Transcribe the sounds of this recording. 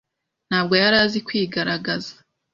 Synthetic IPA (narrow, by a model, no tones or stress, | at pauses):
n̥haːb̚ɡo̞jaɾaːzikwiːɡaɾaɡazḁ